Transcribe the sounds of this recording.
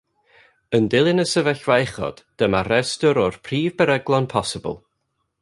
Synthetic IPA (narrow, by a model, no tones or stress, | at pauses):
əndɪlˠɪnəsəvɛɬvaɛχɔ̰d̥d̥əmarɛstɔɾɔrpʰriːvbɛɾɛɡlˠɔnpʰɔsɪbə̰lˠ